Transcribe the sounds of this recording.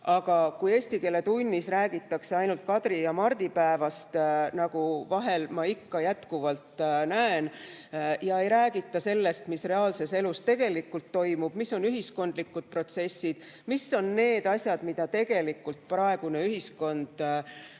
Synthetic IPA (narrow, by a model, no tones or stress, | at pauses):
ʔɑɡ̥ɑkuje̞ːsʲt̪ike̞lːe̞t̪unʲːisræːɡ̥it̪ːˑɑkse̞ɑjnult̪̚kɑd̪̥rijɑmɑrd̪̥ipæevɑst̪nɑɡ̥uvɑɦe̞lmɑikːɑjæt̪kuvɑlt̪ˑnæen | jɑe̞jɾæːɡ̥it̪ːˑɑse̞lːe̞st̪misre̞ɑːlse̞se̞lust̪e̞ɡ̥e̞likːˑult̪ːo̞jmub̥misːo̞nyɦisko̞nd̪̥likːˑud̪̥̚pro̞t̪se̞sʲːid̪̥misːo̞nːe̞ːd̪̥ɑsʲjɑd̪̥mid̪̥ɑt̪e̞ɡ̥e̞likːˑult̪̚prɑe̞ɡ̥une̞yɦisko̞nd̪̥